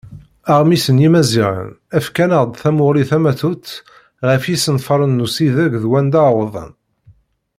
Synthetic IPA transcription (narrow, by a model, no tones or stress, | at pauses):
æʁmisənjimæziʁə̰n | æfkænəʁd̪ˤθæmʊɾiθæmæθut͡s̪ː | ʁəfjisənfɑɾˤənːusiðæɡðwænd̪ɑwəðˤə̰n